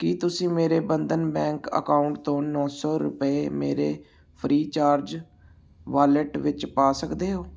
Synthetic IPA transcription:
kiːt̪ʊsĩːmeːɾeːbənd̪ənbɛ̃ːŋkə̰kaːʊɳʈt̪õːnɔ̃ːsɔːɾʊ̰pəeːmeːɾeː | pʰɾiːt͡ʃaːɾd͡ʒ | ʋaːləʈʋɪt͡ʃpaːsəkd̪eːɦoː

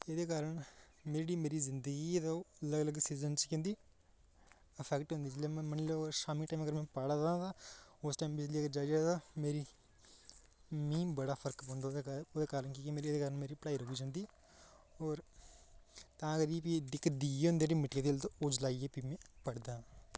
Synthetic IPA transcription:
eːd̪eːkaːɾəɳ | meːɾeɽiːmeːɾiːzɪnd̪əɡiːed̪oələɡləɡsiːzənt͡ʃkẽnd̪iː | əpʰɛːkʈɦʊ̃nd̪iːd͡ʒljeːmɛ̃ːmənːloːkʃaːmĩːʈaːməɡəɾmɛ̃ːpəɽãt̪aːʊsʈaːimbɪd͡ʒliːaːɡəɾd͡ʒaːd͡ʒaːt̪ameːɾiː | mĩːbəɽaːpʰəɾkpõːnd̪aoːd̪eːkaːɾənkikimeːɾid̪eːkaːɾəɳmeːɾiːplaːiɾoːʋiːd͡ʒãːnd̪iː | ɔːɾ | t̪ãːəɡəɾiːp̬iɖ̪ɪkːd̪iːeɦʊ̃nd̪eːɖiːmɪʈkeːt̪ilt̪ooːd͡ʒlaːieːpimɛ̃ːpəɽd̪ãː

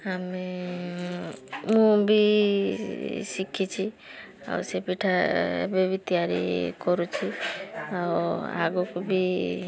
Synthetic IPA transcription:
ame | mũbʱi | sikʰit͡ʃʰi | a̰usepiʈʰaḛbebit̪ijaɾḭkɔɾut͡ʃʰiaua̰ɡokubʱi

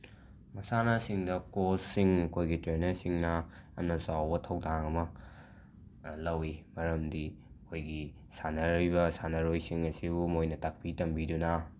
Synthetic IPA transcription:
mɐsanɐsiŋdɐkossiŋɐkʰojɡitɾenɐɾsiŋnɐɐ̰mnɐzawbɐtʰɐwdaŋɐmɐ | lɐwimɐɾɐmdi | ɐkʰojɡi | sanɐɾibɐsanɐɾojsiŋɐsibumojnɐtak̚pitɐmbidunɐ

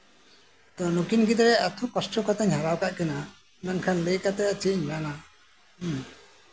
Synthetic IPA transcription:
t̪ɔnukinɡid̪ɾɛʔat̪ʰɔkɔsʈɔkɔt̪aɲhaɾawkaʔkana | nankʰanləjkat̪ɛat͡ʃiʔɲnana

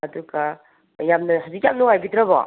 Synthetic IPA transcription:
ɐduɡa | jamnɐɦɐzikjamnuŋajbitɾɐbɔ̰

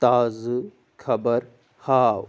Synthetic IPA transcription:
t̪aːzɨ | kʰɐbɐɾ | haːw

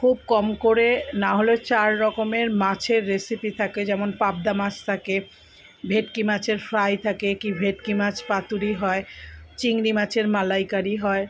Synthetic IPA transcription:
kʰub̚kɔmkoɾenaɦolot͡ɕaɾːɔkomeɾmat͡ɕʰeɾːesipit̪ʰaked͡ʑɛmonpab̚d̪amat͡ɕʰt̪ʰake | bʱeʈ̚kimat͡ɕʰeɾfɾajt̪ʰakekibʱeʈ̚kimat͡ɕʰpat̪uɾiɦɔet͡ɕiŋɾimat͡ɕʰeɾmalajkaɾiɦɔe

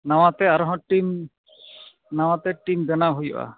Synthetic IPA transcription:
nawat̪ɛaɾɔɦɔ̃ʈim | nawat̪ɛʈimd̪ɛnaɦujɔ̰ʔa̰

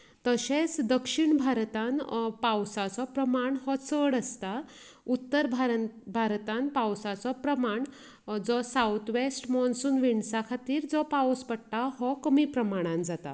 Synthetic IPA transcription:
t̪əɕet͡sd̪əkʂiɳbʱaɾt̪anpawsat͡sɔpɾəmaɳhɔt͡səɽəst̪a | ut̪ːəɾbʱaɾbʱaɾt̪ãnpawsat͡sɔpɾəmaɳ | d͡zɔsaut̪ʰʋesʈmɔnsunʋiɳsakʰat̪iːɾd͡zɔpawspəɽʈ̪aɦɔkəmipɾəmaɽ̃ãnd͡zat̪a̰

